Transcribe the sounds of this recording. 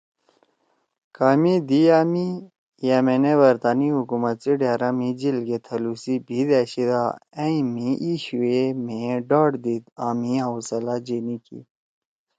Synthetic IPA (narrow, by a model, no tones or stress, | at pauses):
kaːmid̪iaːmi | jameneʋɐɾt̪aːniɦukumɐt̪siɖjaːɾamid͡ʑilɡet̪ʰɐlusibʱid̪eɕid̪aeimiʔiɕuemẽɖaːʈd̪id̪aːmiɦawsɐlad͡ʑinikḭ